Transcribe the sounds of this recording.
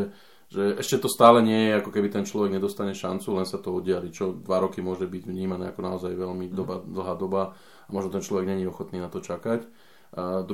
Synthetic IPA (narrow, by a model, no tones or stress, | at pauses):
ʒɛʔɛʃcɛt̪ɔst̪aːlɛɲɪɛjɛakɔkɛbit̪ɛnt͡ʃlɔʋɛɡɲɛd̪ɔst̪aɲɛʃant͡sulɛnsat̪ɔɔdɪalit͡ʃɔd̪ʋaɾɔkimʊɔʒɛbiɟʋɲiːmanɛːakɔnaɔzajʋɛʎmid̪ɔbad̪l̩ˠɦaːd̪ɔba | amɔʒnɔt̪ɛnt͡ʃlɔʋɛɡɲɛɲiɔxɔt̪niːnat̪ɔt͡ʃakac | d̪